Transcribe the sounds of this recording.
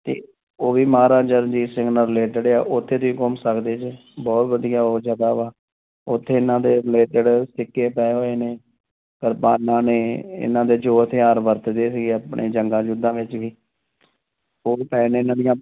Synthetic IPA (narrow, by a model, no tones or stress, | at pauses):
t̪ḛː | oːʋiːmaːɾãːd͡ʒəɾd͡ʒiːsɪŋɡnəɾɪleːʈəɖea̰ːʔʊt̪ʰːeːt̪oiːkɔmsəkd̪eːt͡ʃ | bɔːt̪bəd̪ijaːoːd͡ʒaːd̪aːʋaː | ʊt̪ʰːeːɪnãːd̪eːɾɪleːʈəɖsɪkːeːpɛːɦoːeːneː | kəɾpaːnːãːneːɪ̰nãːd̪eːd͡ʒoːət̪ʰeːaːɾʋəɾt̪d̪eːsɪɡeːapɳʔḛːd͡ʒəŋɡãːd͡ʒʊd̪ãːʋɪt͡ʃʋiː | oːpɛːneːɪnãːd̪ɪjãː